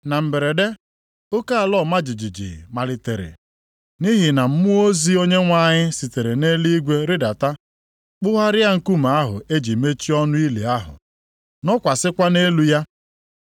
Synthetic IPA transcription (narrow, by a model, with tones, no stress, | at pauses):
na˨m̩˨be˨ɾe˨de˦ | o˦ka˦a˨lɔ˦˨ma˦d͡ʒi˨d͡ʒi˨d͡ʒḭ˨ma˨lɪ˨tḛ˨ɾḛ˨ | ni˦ɦi˨na˨m̩˦mʊ˦o˦zi˦o˦ɲe˦ŋʷa˦˨ɲɪ˦si˨te˨ɾe˨ne˦li˦ɡʷe˦ɾɪ˦da˨ta˦ | k͡pʊ˦ɦa˦ɾɪ˦a˦ŋ̩˦ku˦m˨a˦ɦʊ̰˨e˦d͡ʒi˨me˦t͡ʃi˦ɔ˦nʊ˦i˦lḛ˨a˦ɦʊ̰˨ | nɔ˦kʷa˨sɪ˦kʷa˦ne˦lu˦ja˦